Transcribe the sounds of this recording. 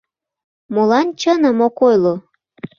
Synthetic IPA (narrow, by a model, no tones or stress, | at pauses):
molɑnt͡ɕənəmokojlo